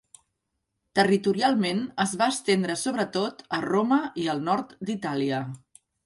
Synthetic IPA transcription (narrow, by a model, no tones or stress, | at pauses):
t̪ərit̪uɾialˠmenəzβaəst̪end̪ɾəsoβɾət̪ot̪əroməiəlˠnɔɾt̪d̪it̪aliə